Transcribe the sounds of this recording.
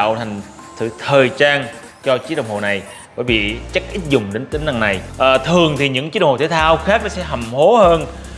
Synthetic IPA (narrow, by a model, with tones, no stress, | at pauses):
wt̪ʰa˨˩jŋ̟ | sʰɨ̰˧˨˩t̪ʰəː˨˩jt͡ɕaː˧n | t͡ɕɔ˧t͡ɕi˦˥ɗə˧˨wŋ͡mho̰˧˨na˨˩j | vəː˧˩jɓḭ˧˨t͡ɕə˦˥k̚ʔi˦˥t̚zʊ˨˩ŋ͡mɗe˨˦nt̪ï˨˦ŋ̟na˧ŋːa˨˩jʔəː˨˩t̪ʰɨ˨˩əŋt̪ʰi˨˩ɲɨ̰˧˥ŋkt͡ɕi˦˥ɗt̪ʰe˧˩˦t̪ʰaː˧wxaː˦˥k̚nɔ˨˦sɛ̰˧˥ɦa˨˩mho˨˦həː˧n